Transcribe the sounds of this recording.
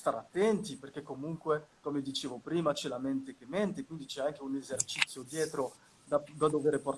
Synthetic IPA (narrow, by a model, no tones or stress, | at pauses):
st̪aɾat̪ːɛnt̪iperk̟ekːomuŋkwekomed̪it͡ʃeːvopɾiːmat͡ʃɛlament̪ek̟emɛnt̪ekwind̪it͡ʃɛaŋk̟eunezert͡ʃit̪sːjod̪jɛːt̪ɾo | d̪ad̪ad̪oveːɾepor